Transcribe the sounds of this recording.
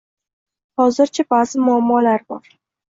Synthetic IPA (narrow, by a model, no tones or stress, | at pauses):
hɒzɪɾt͡ʃʰabaz̥ɪmʊamːɒlaɾbɒɾ